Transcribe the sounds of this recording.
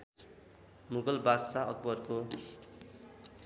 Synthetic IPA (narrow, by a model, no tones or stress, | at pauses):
muɡʌlbasaʌk̚bʌrko